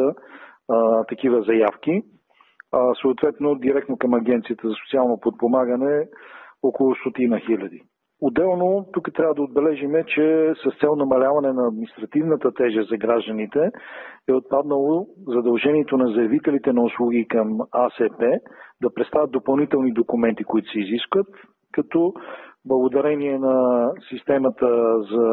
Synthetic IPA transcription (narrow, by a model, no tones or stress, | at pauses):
ə | t̪ɐk̟ivəzɐjafki | soːt̪vɛt̪nod̪iɾɛk̚t̪nokɐmɐɡɛnt̪sijət̪əzɐsot̪sialˠnopot̪̚pomaɡənɛ | okolˠʊst̪ot̪inəxilʲɐd̪i | od̪ɛlˠnot̪ukət̪ɾʲavəd̪ɐod̪̚bɛlɛʒimɛt͡ʃɛsɐst̪sɛlˠnɐmɐlʲavɐnɛnɐːd̪minist̪ɾɐt̪ivnət̪ət̪ɛʒəzɐɡɾaʒd̪ənit̪ɛɛot̪̚pad̪nəlˠozɐd̪ɐlˠʒɛniɛt̪onɐzɐɛvit̪ɛlit̪ɛnɐuslˠuɡ̟ikɐmasɛpɛd̪ɐpɾɛt̪st̪avət̪opɐlˠnit̪ɛlˠnid̪okumɛnt̪ikoit̪ʊ̥sɛiziskvət̪ | kɐt̪ɔblˠɐɡod̪ɐɾɛniɛnɐsist̪ɛmɐt̪əzɐ